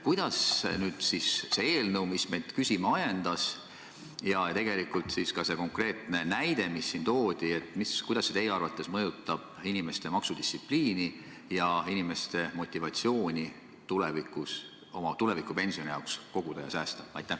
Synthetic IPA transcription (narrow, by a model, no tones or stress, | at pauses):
kujd̪̥ɑsnyːd̪̥sisse̞eːlnəwmisme̞jd̪kysʲimɑɑjend̪̥ɑs | jɑjɑt̪e̞ɡ̥e̞likult̪siskɑse̞ko̞ŋkre̞ːt̪ˑne̞næjd̪e̞misːint̪o̞ːd̪̥ie̞t̪ːmiskujd̪ɑsːet̪e̞jːeɑrvɑt̪ːˑe̞smɤjut̪ːˑɑb̥̚inʲime̞st̪e̞mɑksud̪̥ist̪ːsipliːni | jɑinime̞st̪e̞mo̞t̪ʲˑːivɑt̪sio̞ːnʲi | t̪ulevikːˑus | o̞mɑt̪ule̞vikːˑupe̞nʲsio̞nʲijɑwksko̞ɡ̥ud̪̥ɑjɑ̰sæːst̪ɑɑ̰jt̪ːˑæ